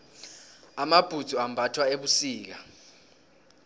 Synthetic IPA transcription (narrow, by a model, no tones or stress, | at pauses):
amab̥ʱud̥z̥ʱuambʱatʰwaeɓusiːk̬a